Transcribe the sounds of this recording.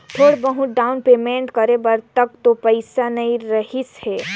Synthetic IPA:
ʈ̪ʰoːɽbəɦʊ̃ɖaːʊnpemẽːɳʈ̪kɐɾebɐɾt̪ɐk̚t̪opəɪsanɐĩɾɐɦɪshɛː

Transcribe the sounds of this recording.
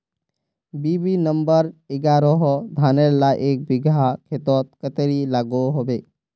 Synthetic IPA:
biːbinəmbəɾɪɡaːɾoɦɔd̪ʱaːneɾlaʔeːk̚bɪɡʱakʰeːt̪ɔːt̪̚kət̪ɾilaːɡoɦobeː

